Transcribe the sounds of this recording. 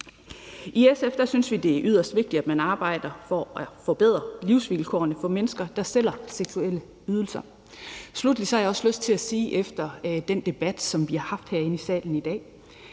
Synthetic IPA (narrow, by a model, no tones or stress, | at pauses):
ʔiesefd̥ɐsynsʋid̥e̝æɐʔyð̞ˠɐsd̥ʋe̝ɡ̥̚d̥id̥æd̥mænɑ̈ːb̥ɑ̈ɪ̰d̥ɐfɒʔæfɒ̽b̥e̝ð̞̰ˠʁɐliʊsʋilkʰɒ̰ːɐnəfɒ̽menəsɡ̥ɐd̥ɑ̈sel̰ɐseɡ̥suel̰ə | yð̞ˠl̩sɐ | slud̥li̥sɒhɑ̈jɑɒ̽sløsd̥̚t͡sʰe̝læsiːʔefd̥ɐd̥end̥e̝b̥æd̥sɒ̽mʋihɑ̈hɑ̈fd̥heɐ̰e̝nəisɛ̰ːln̩id̥ɛ̰ː